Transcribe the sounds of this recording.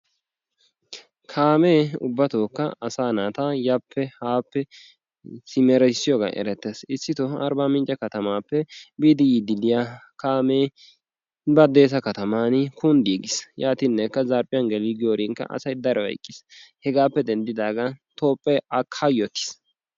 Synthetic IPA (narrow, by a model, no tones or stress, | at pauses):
kʰaːmeːʊ̰bːɐt̪oːkːɐɐsaːnaːt̪ajapːɛhaːpːɛ | sɪmɛɾɛsɪjoːɡɐ̰ʔɛ̰ɾɛt̪ːeːsɪsːɪt̪ɔɐ̰ɾbaːmɪnt͡ʃʼːɐkɐt̪ɐmaːpːɛbiːd̪ɪjid̪ɪlɪjakaːmeː | bɐd̪e̞ːs̬ɐkɐt̪ɐmaːnkʊnd̪iːɡɪsjaːt̪inːɛkːɐzɐɾpʼːɪjɐnɡɛliɡɪjoːɾiŋkːɐ̰ʔɐ̰sɐjd̪ɐɾɛwɐ̰jkʼːɪshɛɡaːpːɛd̪ɛnd̪ɪd̪aːɡat̪o̞ːpʼːɛɐkʰːajot̪ːɪ̥s